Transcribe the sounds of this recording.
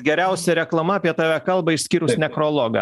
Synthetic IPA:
ɡʲɛɾʲæˑʊsʲɛɾʲɛklˠɐmɐːpʲiɛt̪ɑːʋʲækɐlˠbɐɪʃsʲkʲiːɾʊsnʲɛkɾoːlˠoːɡɐ̰

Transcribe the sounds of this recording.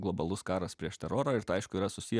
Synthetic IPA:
ɡlˠɔbɐlˠʊskɑːɾɐspʲɾʲiɛʃt̪ʲɛɾoːɾoːɪɾt̪ɐɪʃkʊiːɾɐsʊsʲij

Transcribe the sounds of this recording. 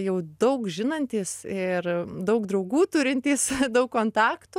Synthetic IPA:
jɛʊd̪ɐʊkʒʲɪnɐnʲt̪ʲiːsɪrd̪ɐʊkd̪ɾɐʊɡuːt̪ʊɾʲɪnʲt̪ʲiːsd̪ɐʊkkoːnt̪ɑːkt̪u

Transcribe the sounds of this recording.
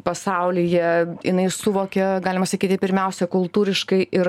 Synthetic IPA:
pɐsɐʊlʲɪjɛjɪnɐɪsʊʋoːkʲɛɡɑːlʲɪmɐsɐkʲiːt̪ʲɪpʲɪɾʲmʲɛʊsʲɛkʊlˠt̪uːɾʲɪʃkɐɪʔɪɾ

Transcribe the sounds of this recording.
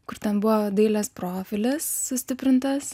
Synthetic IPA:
kʊɾt̪ʲɛnbʊʋoːd̪ʲɐɪlʲɛspɾoːfʲɪlʲɪsːʊsʲt̪ʲɪpʲɾʲɪnt̪ɐs

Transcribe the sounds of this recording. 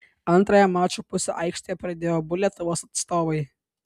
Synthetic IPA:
ɐnt̪ɾɐjɛmɑːt͡ʃupʊsʲɛʔɐɪkʃʲt̪ʲoːjɛpɾɐd̪ʲeːjoːbʊlʲiɛt̪ʊʋoːsɐt̪st̪oːʋɐɪ

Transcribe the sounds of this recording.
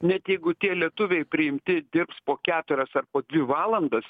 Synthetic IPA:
nʲɛt̪jɛɪɡʊt̪ʲiɛlʲiɛt̪ʊʋʲɛɪpʲɾʲɪɪmʲt̪ʲɪd̪ʲɪɾpspoːkʲæːt̪ʊɾʲɛsɐrpoːd̪ʲʋʲɪʋɑːlˠɐnd̪ɐs

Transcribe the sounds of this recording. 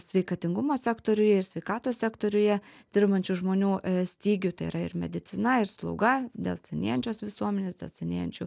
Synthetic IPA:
sʲʋʲɛɪkɐt̪ʲɪŋɡʊmoːsʲækt̪oːɾʲʊjɛɪɾsʲʋʲɛɪkɑːt̪oːsʲsʲɛkt̪oːɾʲʊjɛd̪ʲɪɾbɐnʲt͡ʃʲʊʒmoːnʲuːsʲt̪ʲiːɡʲʊt̪ɐɪḭːɾɐɪ̰ɾmʲɛd̪ʲɪt̪t͡s̪ʲɪnɐɪɾslˠɐ̰ʊɡɐd̪ʲḛːlˠsʲɛnʲḛːjɛnʲt͡ʃʲoːsʋʲɪsuɔmʲɛnʲeːsd̪ʲḛːlˠsʲɛnʲḛːjɛnʲt͡ʃʲʊ

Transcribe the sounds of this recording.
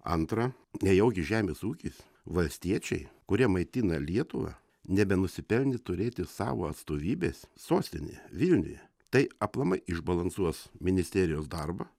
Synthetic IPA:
ɐ̰nt̪ɾɐ | nʲɛjɛʊɡʲɪʒʲæːmʲeːsuːkʲiːs | ʋɐlʲsʲt̪ʲiɛt͡ʃʲɛɪkʊɾʲiɛmɐɪt̪ʲinɐlʲiɛt̪ʊʋɐ̰ | nʲɛbʲɛnʊsʲɪpʲɛlʲnʲɪt̪ʊɾʲeːt̪ʲɪsɑ̰ːʋo̰ːɐt̪st̪oːʋʲiːbʲeːssoːsʲt̪ʲɪnʲɪ̰jɛʋʲɪlʲnʲʊ̰jɛ | t̪ɐɪɐplˠɐmɐɪɪʒbɐlˠɐnsuɔsmʲɪnʲɪsʲt̪ʲɛːɾʲɪjoːsd̪ɐɾbɐ

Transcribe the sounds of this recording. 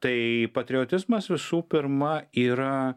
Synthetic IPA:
t̪ɐɪpɐt̪ʲɾʲɪoːt̪ʲɪzmɐsʋʲɪsuːpʲɪɾmɐiːɾɐ

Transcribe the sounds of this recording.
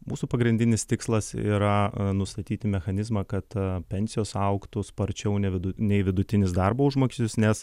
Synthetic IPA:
mṵːsuːpɐɡɾʲɪnʲd̪ʲɪnʲɪst̪ʲɪkslˠɐsḭːɾɐnʊst̪ɐt̪ʲiːt̪ʲɪmʲɛxɐnʲɪzmɑkɐt̪pʲɛnʲsʲɪjoːsɐʊkt̪ʊspɐɾʲt͡ʃʲɛʊnʲɛʋʲɪd̪ʊnʲɛɪʋʲɪd̪ʊt̪ʲɪnʲɪsd̪ɐrboːʊʒmoːkʲɪsʲt̪ʲɪsnʲɛs

